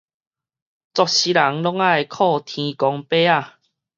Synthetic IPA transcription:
t͡sɔ˨k̚ɕi˦la˨˦ŋlɔ˦ŋa˥˧jkʰɔ˥˧˨t̪ʰĩ˧kɔ˨˧ŋpe˦a˥˨

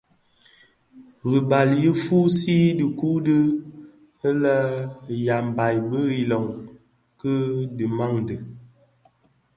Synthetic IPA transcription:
ɣi˨ba˨lji˦fu˦si˦di˨ku˦də˦ | ə˦lə˦˨ja˨m˨ba˨jbə˦ɣi˨lɔ˨ŋ | kə˦də˨ma˦˨ŋdɨ˨

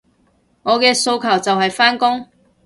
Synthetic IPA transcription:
ŋɔː˨˧kɛː˧so˧wkʰɐ˨˩wt͡sɐ˨whɐ˨jfaː˥nkʊ˥ŋ

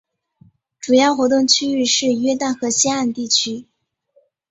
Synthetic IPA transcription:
ʈ͡ʂu˨˩jɑ˥˩ʊxwɔ˧˥t̪ʊ˥˩ŋt͡ɕʰy˥y˥˧ʂɻ̩˥˩jɛ˥t̪a˥˩nxɤ˧˥ɕɛ˥a˥˩nt̪i˥˩t͡ɕʰy˥

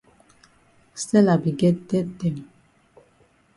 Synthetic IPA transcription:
sɛ˦la˨bi˨ɡɛ˦t̪ɛ˦tɛ˨m

